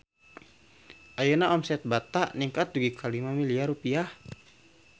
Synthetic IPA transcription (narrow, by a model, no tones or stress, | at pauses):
ʔajunaʔɔmsɛt̪̚bat̪aʔniŋkat̪̚d͡ʒuɡikʰalimamiliaɾupiah